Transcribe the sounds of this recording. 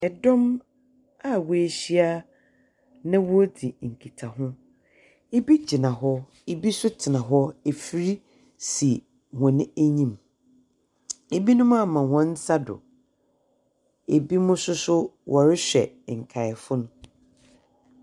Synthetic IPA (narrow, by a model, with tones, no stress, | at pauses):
ɛ˨dɔ̃˦m | a˦˨wɔ˦˨e˨ɕi˦a˦ | nã˦wɔ˦di˨ŋ̩˨kʰi˨tʰa˨ɦʊ̃˦ | e˦bi˦d͡ʑi˨nã˨ɦɔ˦ | e˨bi˦sʊ˦tʰɪ˨nã˨ɦɔ˦e˨fi˦ɾi˦ | si˨ | hɔ̃˨nɪ̃˦æ˦ɲĩ˦˨m | e˨bi˦nʊ̃˦mã˦˨mã˨wɔ̃˨n̩˦sa˦dʊ̰˨ | e˨bi˦mʊ̃˦sʊ˦sʊ˦wʔɔ˨ɾɪ˦ɕᶣɛ̰˨ŋ̩˨kʰa˨ɪ˨fʊ˦nʊ̃˦